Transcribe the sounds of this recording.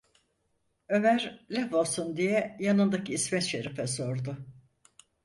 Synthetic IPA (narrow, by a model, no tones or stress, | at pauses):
ø̞mæɾlʲavasund̪ijɛjanɯnd̪aciːsmɛt̪ʃeɾɛfɛso̞ɾd̪ʊ